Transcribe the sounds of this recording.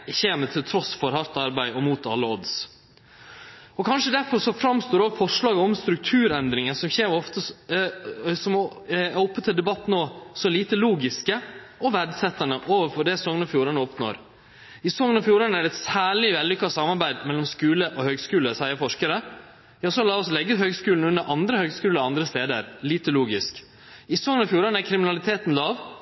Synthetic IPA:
çeːmət̪ʰɪlt̪ʰɾɔsfɔɾhɑɾt̪ɑɾbæɪɔmuːt̪ɑ̰lːəɔd̪s | ɔkʰɑnʂəd̪æɾfɔɾʂɔfɾɑmst̪oːɾɔːʋfɔʂɭɑːɡəɔmst̪ɾʉk̚t̪ʰʉːɾɛnd̪ɾɪŋəsɔmçeːɾɔft̪ə | sɔmæɾɔpːət̪ʰɪld̪ɛbɑt̪ːnoːsɔliːt̪əluːɡɪskəɔʋæɖ̪sɛt̪ːɑnəʔoːʋəɾfɔɖɛsɔŋənɔfjuːɾɑnəɔpno̰ːɾ | ɪsɔŋənɔfjuːɾɑnəæɖɛt̪sæːɭɪʋɛlːʏkːɑsɑmːɑɾbæɪd̪mɛlːɔmskʉːləʔɔhøːɡskʉːləsæɪəɾfɔʂkəɾə | jɑːsɔlɑːɔslɛɡːəɦøːɡskʉːln̩ʉnːəɾʔɑnd̪ɾəhøːɡskʉːləɔɑnd̪ɾəst̪eːd̪ə̰ɾliːt̪əluːɡɪsk | ɪsɔŋənɔfjuːɾɑnəæɾkʰɾɪmɪnɑlɪt̪ʰeːt̪n̩lɑːʋ

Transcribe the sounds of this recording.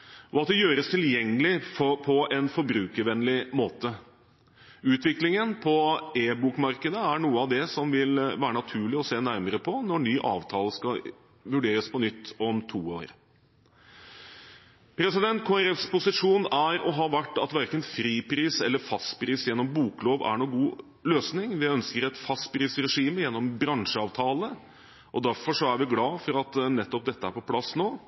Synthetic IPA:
ɔɑt̪̚d̪ɛjøːɾəst̪ʰɪljɛŋːəlɪfɔpʰɔɛnfɔɾbɾʉːkəɾʋɛnlɪmoːt̪ə | ʉːt̪ʋɪklɪŋənpʰɔeːbuːkmɑɾkəd̪əæɳuːəɑʋd̪ɛsɔmʋɪlʋæːɾənɑt̪ʰʉːɭɪɔseːnæɾməɾəpʰɔnɔɳyːʔɑ̰ːʋt̪ʰɑːləskɑ | ʋʉɖeːɾəspɔnʏt̪ːɔmt̪ʰuːoːɾ | pʰɾɛsɪd̪ɛnt̪̚kʰoːæɾɛfspʊsɪʂuːnæɾɔɦɑːʋæʈːɑt̪ʋæɾkənfɾiːpɾiːsɛlːəfɑst̪pʰɾiːsjɛnːɔmbuːkloːʋæ̰ɳuːɡuː | løːsnɪŋʋɪœnskəɾɛt̪fɑst̪pɾiːsɾɛʂiːməjɛnːɔmbɾɑŋʂəɑːʋt̪ʰɑːlə | ʔɔd̪æɾfɔʂɔæɾʋɪɡlɑːfɔɾɑt̪nɛt̪ːɔp̚d̪ɛt̪ːəæɾpɔpʰlɑsːnoː

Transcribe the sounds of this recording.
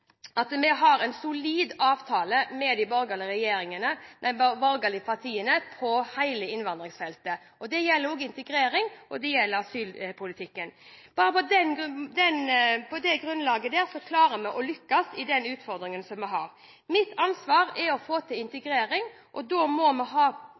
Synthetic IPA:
ɑt̪mɛɦɑɾɛnsʊliːd̪ɑːʋt̪ʰɑːləmɛd̪ɪbɔɾɡəlɪɾɛjeːɾɪŋənənæɪbbɔɾɡəlɪpʰɑt̪ʰiːənəpʰɔhæɪləɪnʋɑnd̪ɾɪŋsfɛlt̪ə | ʔɔd̪ɛjɛlːəɾoːɡɪnt̪əɡɾeːɾɪŋʔɔd̪ɛjɛlːəɾɑsyːlpʰʊlɪt̪ʰɪkːənb̥ɑːɾəpɔd̪ɛnd̪ɛnpʰɔd̪ɛɡɾʉnlɑːɡəd̪ɛːɾsɔkʰlɑːɾəmɛʔɔlʏkːɑsɪd̪ɛnʉːt̪fɔɾd̪ɾɪŋənsɔmːɛɦɑːɾ | mɪt̪ʰɑnsʋɑːɾɛɔfoːt̪ʰɪɪnt̪əɡɾeːɾɪŋ | ʔɔd̪ɔmɔmɛɦɑː

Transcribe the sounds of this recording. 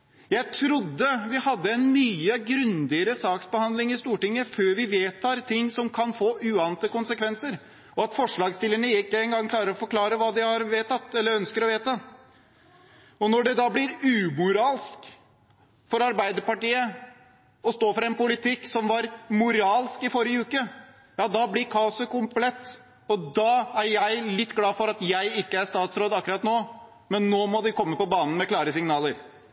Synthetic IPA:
jæɪt̪ʰɾʊd̪ːəʋɪhɑd̪ːəɛnmyːəɡɾʉnd̪ɪəɾəsɑːksbəhɑnd̪lɪŋɪst̪uːʈɪŋːəføːɾʋɪʋeːt̪ʰɑːɾt̪ʰɪŋːsɔmkʰɑnfoːʔʉːɑːnət̪əkʊnsəkʰʋɛnsəɾ | ɔɑt̪fɔʂɭɑːɡst̪ɪlːəɳəɪkːəɛŋɡɑŋkʰlɑːɾəɾɔfɔɾkʰlɑːɾəʋɑːd̪ɪhɑɾʋeːt̪ɑt̪ːɛlːəɾœnskəɾɔʋeːt̪ɑ | ɔnɔɖɛd̪ɑːblɪɾʉːmʊɾɑːlsk | fɔɾɑɾbæɪd̪əɾpɑʈiːə | ɔst̪oːfɔɾɛnpʊlɪt̪ʰɪkːsɔmʋɑɾmʊɾɑːlskɪfɔɾɪəʉːkə | jɑːd̪ɑblɪɾkʰɑːʊsəkʊmpʰlɛt̪ː | ɔd̪ɑːæɾjæɪlɪt̪ːɡlɑːfɔɾɑt̪jæɪɪkːəæʂt̪ɑːt̪sɾoːd̪ɑkːəɾɑt̪noː | mɛnːoːmɔd̪ɪkʰɔmːəpɔbɑːnən̩mɛklɑːɾəsɪŋnɑːləɾ

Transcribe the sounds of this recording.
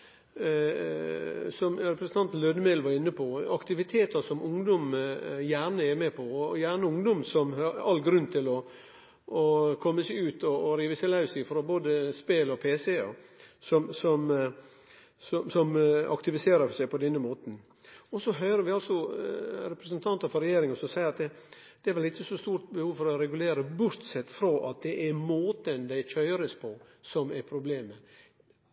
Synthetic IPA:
sɔmɾɛpɾəsn̩ɑnt̪løːd̪əmelʋɑɾɪnːəpʰɔɑkt̪ɪʋɪt̪ʰeːt̪əsɔmʊŋd̪ɔmjæːɳəɛmepʰɔɔjæːɳəʊŋd̪ɔmsɔmhɑɑlːɡɾʉnːt̪ʰɪlɔ | ɔkʰɔmːəsɛɪʉːt̪ʰɔːɾiːʋəsɛlɑʉsɪfɾɔboːd̪əspeːlɔpʰeːsɛɔ̰sɔmsɔm | sɔmsɔmʔɑ̰kt̪ɪʋɪseːɾəsæɪpʰɔd̪ɛnːəmoːt̪n̩ | ɔsɔɦœʏɾəɾʋɪɑlsɔɾɛpɾəsənt̪ʰɑnt̪əɾfɔɾɛjeːɾɪŋɑnsɔsæɪɾɑt̪̚d̪ɛ | d̪̥ɛæɾʋɛlɪt̪ːəsɔst̪uːɾt̪̚bəhuːʋfɔɾɔɾɛɡʉleːɾəbʊɾt̪sɛt̪ːfɾoːʔɑt̪̚d̪ɛʔæɾmoːt̪ənd̪æɪçʰœʏɾəspʰɔ | sɔmæɾpʰɾʊbleːmə

